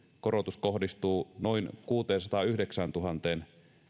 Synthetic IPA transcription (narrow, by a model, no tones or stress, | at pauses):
korot̪uskohdist̪uːnoinkuːt̪eːnsɑt̪ɑyhdeksænt̪uɦɑnt̪eːn